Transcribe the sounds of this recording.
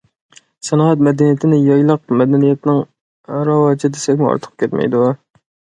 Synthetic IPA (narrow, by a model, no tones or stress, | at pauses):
sɛnɑːɛt̪̬̚mɛd̪ɛnijet̪ʰɪnɪjɑjlˠəq̚mɛd̪ɛnijɛt̪nɪŋ | ɾɑwɑːd͡ʒɪd̪esɛkʲmʊɑ̰ɾt̪ʰə̥q̚kʲʰɛt̪mɛ̰jd̪u